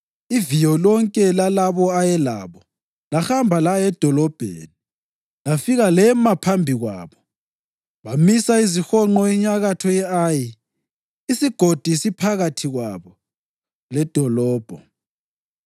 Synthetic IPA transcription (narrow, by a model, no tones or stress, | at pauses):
ivijɔlɔŋkʼɛlalaβɔajɛla̰ːβɔ | laxambʱalajɛd̥ʱɔlɔb̥ʱḛːni | lafiɣalɛmapʰambʱiɣwa̰ːβɔ | βamisaizixɔŋ͡ǃɔiɲaɣatʰɔjɛaji | isiɡ̥ʱod̥ʱisipʰaɣatʰiɣwa̰βɔ | lɛd̥ʱɔlɔːb̥ʱɔ